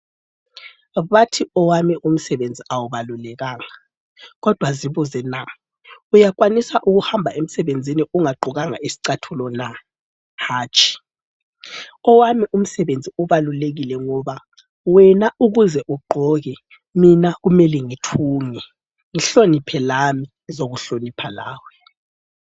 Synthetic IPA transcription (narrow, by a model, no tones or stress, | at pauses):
βatʰiɔwamiʔum̩sɛβend͡zʱiʔawuβalulɛɣaːŋa | ɣɔd̥ʱwaziβuzɛna | ujak̬ʼwanisaʔuɣuhambʱaem̩sɛβend͡zʱiniuŋaɡ͡ǃʱuɣaŋa̰ʔisi̥ǀatʰulɔna | haːt͡ʃʰʼi̥ | ɔwamiʔum̩sɛβend͡zʱiuβaluleɣilɛŋɔβa | wɛnauɣuzɛʔuɡ͡ǃʱɔɣɛ | minaɣumɛlɛŋitʰuːŋɛ | ŋiɬonipʰɛlami | zoɣuɬonipʰala̰ːwɛ